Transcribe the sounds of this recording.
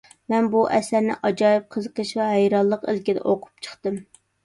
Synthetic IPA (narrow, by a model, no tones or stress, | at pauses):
mɛnbuʔɛsæɾnɪ̰ʔɑd͡ʒɑjip̚qʰəzəqəʃvɛɦɛjɾɑlˠːəqelkʲid̪ɛ̰ʔoqʰʊ̥p̚t͡ʃʰə̥χt̪ɨm